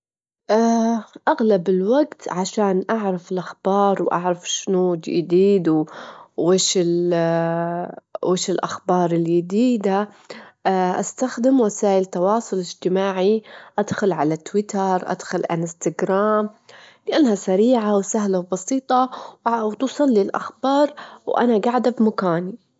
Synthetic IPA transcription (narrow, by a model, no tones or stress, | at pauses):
ʔaʔaɣlabɪlwaɡt̪ʕaʃaːnʔaʕɾˤɑfɪlʔaxb̥ɑːɾˤwʔa̰ʕɾˤɑfʃnuːd͡ʒj̰d̪iːd̪uweːʃɪl | weːʃɪlʔaxbɑːɾˤɪljɪd̪iːd̪a | ʔast̪axd̪ɪmwasaːʔɪlt̪ːɑwɑːsˤʊlɪd͡ʒt̪ɪmaːʕiʔad̪xʊlʕalat̪wɪt̪ɑɾˤʔa̰d̪̥xʊlʕa̰lst̪aɡɾaːmlɪʔanːahasaɾiːʕawsaɦlawbɑsiːt̪ˤɑwt̪usˤɑlːɪlʔa̰xbɑːɾˤwʔa̰naɡaʕd̪abmakaːni